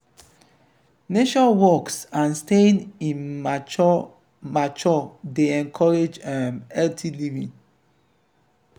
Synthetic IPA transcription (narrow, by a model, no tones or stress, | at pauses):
neʃɔ̃nwɔksãnstẽnĩnm | mat͡ʃɔdeɛ̃nkʰɔɹed͡ʒãmɛltʰilivĩŋ